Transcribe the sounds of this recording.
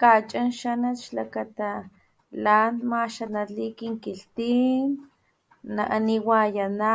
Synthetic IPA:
kat͡ʃʼanʃanatʃlakat̪a | lanmaʃanalikiŋkiɬt̪in | na̰ʔaniwajana

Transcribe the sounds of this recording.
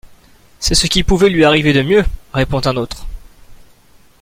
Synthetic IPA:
sɛsəkʲipuvɛlɥiaʁived̪əmjøʁepɔ̃t̪ɛ̃not̪χ

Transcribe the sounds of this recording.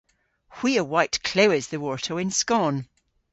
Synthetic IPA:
hw̥iːəwaɪʔkʰl̥oɪzðəwɔɹtʰəɪ̃nskɔn

